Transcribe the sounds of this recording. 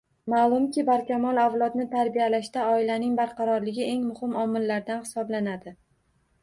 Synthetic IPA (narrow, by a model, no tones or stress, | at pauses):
malˠʊmkʲɪbaɾkʲʰamɒlˠavlˠɒt̪nɪt̪ʰaɾbijalaʃt̪aɒɪlanɪŋbaɾqʰɑɾɒɾlɪɡʲɪe̞ŋmʊhɪmɒmːɪlːaɾd̪anhɪ̥sɒblanad̪ɪ